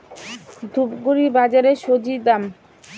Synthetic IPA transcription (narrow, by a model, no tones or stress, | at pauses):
d̪ʱubɡuɾibad͡ʑaɾeʃod͡ʑid̪am